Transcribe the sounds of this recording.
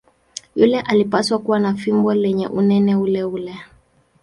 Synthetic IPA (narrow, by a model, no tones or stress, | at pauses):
julɛʔalipaswakuwanafimbɔlɛɲɛ̰ʔunɛnɛulɛulɛ